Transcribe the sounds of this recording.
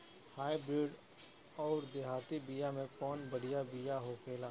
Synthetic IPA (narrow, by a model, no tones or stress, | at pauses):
haːibɾɪːɖ | ɔːɾd̪eɦaːt̪ibijamẽkɔːnbɐɽ̤ijabijaɦokʰeːlaː